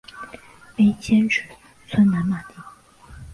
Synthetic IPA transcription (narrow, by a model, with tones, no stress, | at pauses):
pe˥ɪt͡ɕʰjɛ˥nʈ͡ʂ̩ʰ˨˩˦ | t͡sʰwə˥nna˧˥nma˨˩t̪i˧˩